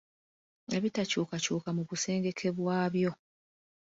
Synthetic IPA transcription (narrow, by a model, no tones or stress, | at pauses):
e̞βitacuːkacuːkamuβuse̞ːŋɡe̞kʰe̞βwaːβjo̞